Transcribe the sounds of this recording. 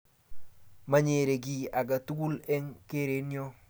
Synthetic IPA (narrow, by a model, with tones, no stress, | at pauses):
ma˨ɲe˨ɾe˨ɡi˨a˨ɡa˨tu˦ɡu˦lɛ˦ŋke˦ɾe˨˦njɔ˦